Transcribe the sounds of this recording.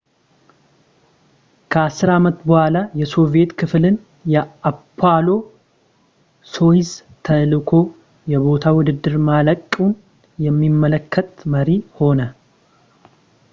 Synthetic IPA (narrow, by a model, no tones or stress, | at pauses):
kʰəasɨɾamət̪bəhʷalajɛso̞ve̞t̪kʰɨflɨn | jɛapʰːalo̞ | so̞jɪzt̪ʰəlɨkʰo̞ | jɛβo̞t̪ʰawʊd̪ɨd̪ːɨɾmaləkʼːun | jɛmːimːələkʰːət̪məɾiho̞nə